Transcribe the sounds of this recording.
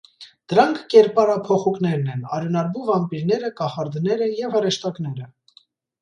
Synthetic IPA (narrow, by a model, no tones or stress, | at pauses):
d̪̥əɾɑŋkʰːɛɾpɑɾɑpʰɔχuknɛɾnɛnɑɾjunɑɾbuvɑmpiɾnɛɾəkɑχɑɾd̪nɛɾəjɛvhəɾɛʃt̪ɑknɛɾə